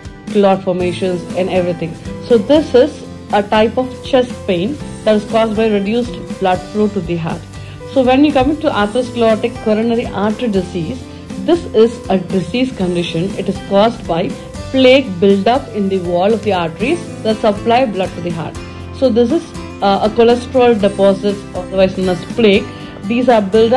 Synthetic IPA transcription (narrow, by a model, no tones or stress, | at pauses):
klɔːɾfɔːɾmeːʃə̃nzɛ̃nɛʋɾit̪ʰɪ̃ŋsoːd̪ɪsɪz | əʈaɪpɔʋt͡ʃɛsʈ̚pẽːnd̪æʈɪz̥kɔːsʈbaɪɾɪɖjuːsʈb̥lʌɖfɾuːʈud̪iɦa̰ːʈ | soːʋɛ̃njukʌ̃mɪ̃ʈuʔaːt̪ɾəsklɔːʈɪkːɔɾənəɾiʔaːʈəɖɪsiːz | d̪ɪsɪzəɖɪsiːzkə̃ɳɖɪʃə̃nɪʈɪzkɔːzʈbaɪ | pleːk̚bɪlɖʌpɪ̃nd̪iʋɔːlɔfd̪iaːɾʈɾiz | d̪əsəplaɪblɐɖ̚ʈud̪iɦa̰ːʈ | soːd̪ɪs̬ɪz | əkɔlɛsʈɾəlɖɪpɔːzɪʈɔd̪əʋaɪsnõməspleːk | d̪iːzaɾbɪlɖ